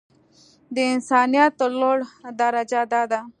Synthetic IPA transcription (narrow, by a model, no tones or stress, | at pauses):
d̪eɪnsɑːnijat̪ːoloɽd̪aɾad͡ʒad̪ad̪a